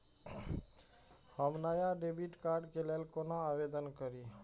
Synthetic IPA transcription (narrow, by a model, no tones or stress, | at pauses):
həmnajaɖebiʈkaɾɖkelelkonaːʋed̪ənkəɾi